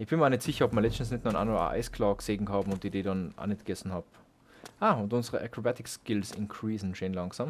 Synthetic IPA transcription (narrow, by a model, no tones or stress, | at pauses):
ʔɪçb̥ɪnmaɐnɛtsɪçɐɔpmɐlɛt͡stn̩snɛtnʁnʔa̰ndəa̰ʔa̰ɪskʰlɑːkseːɡŋ̩hɑːbm̩ʊntd̥ideːdɑnʔa̰ːnɛt̚ɡ̥ɛsn̩hɑːp | ʔaːʊntʊnzəʁəʔakʁobatɪkskɪlsɪ̰nkʰʁiːsn̩ʃeːnlɑŋsaːm